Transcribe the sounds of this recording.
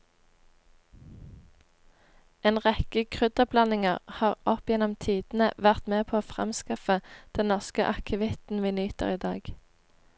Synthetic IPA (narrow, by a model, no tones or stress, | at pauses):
eːnʁɛkəkʰʁʏd̪əblɑnɪŋəʁhɑːʁʔɔpjɛnɔmt̪ʰiːd̪̥n̩əʋæʁt̪meːpʰoːoːfʁɛ̰mskɑfəd̪̥ɛnnɔʁskəʔɑkʰəʋɪt̪n̩ʋiːnyːt̪ə̰ʁiːd̪ɑ̰ːɡ̥